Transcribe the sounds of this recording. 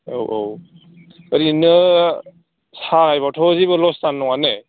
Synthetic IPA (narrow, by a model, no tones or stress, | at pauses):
owʔow | əɾinɯ | saɡajbatʰɔzibɯlɔstanːɔŋane